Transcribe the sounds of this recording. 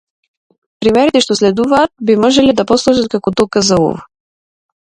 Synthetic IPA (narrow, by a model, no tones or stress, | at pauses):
pɾimɛɾit̪ɛʃt̪oslɛd̪uvaːt̪̚bimɔʒɛlid̪ɐposlˠuʃət̪̚kakɔt̪ɔkəzaṵv